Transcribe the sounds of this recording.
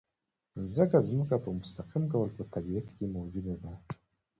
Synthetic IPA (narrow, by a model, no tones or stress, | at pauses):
zəkazmukapəmʊst̪aqimk̬awəlpət̪abiat̪kemawd͡ʒud̪ad̪a